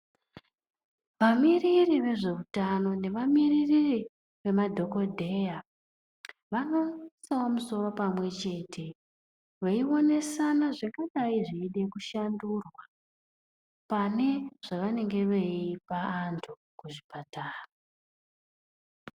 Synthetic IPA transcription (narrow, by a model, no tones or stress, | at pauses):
ʋamiririʋe̞ʐe̞utano̞ne̞ʋamiririri | ʋe̞madʱo̞ko̞dʱe̞ja | ʋano̞sawomuso̞ro̞pamwe̞t͡ʃe̞ːtʰe̞ | ʋeio̞ne̞sanaʐiŋɡaɗaiʐiːɗe̞kuʃandurwa | pane̞ʐ̥aʋane̞ŋɡe̞ʋeipaːntʰu | kuʐipataːra